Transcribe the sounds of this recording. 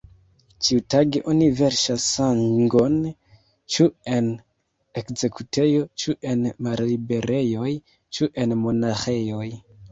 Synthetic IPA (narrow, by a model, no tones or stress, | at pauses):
t͡ʃiutaɡeʔonive̞ɾʃasaŋɡo̞n | t͡ʃue̞n | ekze̞kutʰe̞jo̞t͡ʃuʔe̞nmallibe̞ɾʔe̞jo̞j | t͡ʃuʔe̞nmo̞naxe̞jo̞j